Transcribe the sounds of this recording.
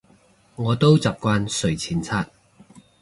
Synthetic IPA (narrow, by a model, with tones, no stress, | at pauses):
ŋɔː˨˧t̪o˥wt͡saː˨p̚kʷaː˧nsɵ˨˩ɥt͡sʰiː˨˧˩nt͡sʰaː˥t̚